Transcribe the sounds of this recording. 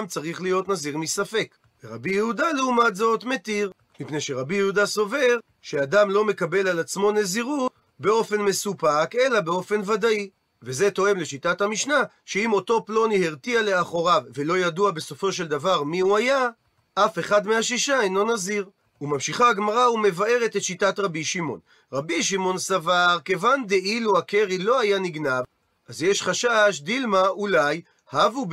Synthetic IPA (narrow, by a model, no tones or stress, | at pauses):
amt͡saʁiχlijo̞t̪naziʁmisafe̞k | veʁabijehud̪aleumat̪zo̞t̪me̞t̪iʁ | mipne̞jʃeʁabijehud̪aso̞ve̞ʁ | ʃeadamlo̞me̞kabe̞lalat͡smo̞ne̞ziʁut | be̞o̞fe̞nme̞supake̞labe̞o̞fe̞nvad̪ai | ve̞ze̞to̞e̞mle̞ʃitathamiʃna | ʃeimo̞t̪o̞plo̞niheʁt̪iale̞aχo̞ʁavve̞lo̞jaduabe̞so̞fo̞ʃe̞ld̪avaʁmiuaja | ʔafe̞χad̪meaʃiʃajnlo̞naziʁ | umamʃiχaːɡmaʁaume̞vae̞ʁe̞t̪et̪ʃitat̪ʁabiʃimo̞̰n | ʁabiʃ̬imo̞nsavaʁke̞vand̪eʔiluakeʁilo̞ajaniɡnav | azjeʃχaʃaʃd̪ilmaulaj | havub